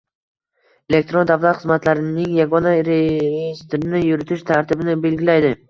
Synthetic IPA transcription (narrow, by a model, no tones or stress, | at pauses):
e̞lek̚t̪ɾo̞nd̪avlˠat̪χɨzmat̪laɾɪnɪŋjaɡɒnaɾejist̪ɪɾɪnɪjʊɾɪt̪ʰɪʃt̪ʰaɾt̪ʰɪbɪnɪbe̞lɡʲɪlajd̪ɪ